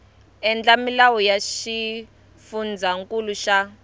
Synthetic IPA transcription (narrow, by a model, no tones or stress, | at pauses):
ɛnd͡ɮamilawɔjaʃi | fund͡zʱaŋkʼuluʃa